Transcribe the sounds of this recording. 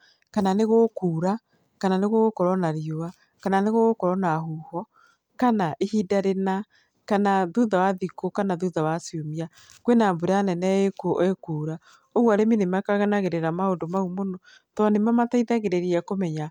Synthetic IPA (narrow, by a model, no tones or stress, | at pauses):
kananeɣokuːɾa | kananeɣoɣokɔɾɔnaɾioa | kananeɣoɣokɔɾɔnaɦuhɔ | kanaʔehidaɾena | kanaðuðawaðikokanaðuðawasjomia | kwenambuɾanɛnɛekoʔoekuːɾa | oɣwaɾeminemakaɣanaɣeɾeɾamaondomaumonɔ | tɔnemamataiðaɣeɾeɾiɛkomɛɲa